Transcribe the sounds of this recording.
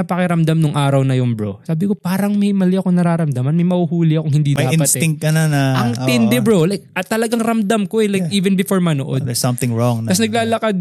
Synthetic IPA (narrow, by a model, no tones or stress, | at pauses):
ɐpɐkɛɾɐmd̪amnʊŋʔaːɾɐwnɐjʊŋbɹo̰saːbɪko̞paːɾɐŋmɐjmɐlɪʔɐkonɐɾaːɾɐmd̪ɐmɐnmɐjmɐhuhuːlɪʔɐkoŋhɪnd̪iːdmɐjaɪnpɐtsɪŋt̪̚kɐnɐnɐɐŋt̪ɪnd̪ɛbɹolajk̚ɐt̪ːɐlɐɡaŋɾɐmd̪ɐmkoɛlajkʔiːvɛnbɪfoɹmɐno̰ʔo̰d̪d̪ɛsɐmθɪ̃ŋɹɔŋt̪ɐsnɐɡ̚laːlɐkad̪̚